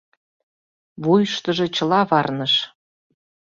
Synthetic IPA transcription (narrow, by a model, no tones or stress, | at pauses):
βujʃt̪əʒɤ̆t͡ɕəlɑβɑrnəʃ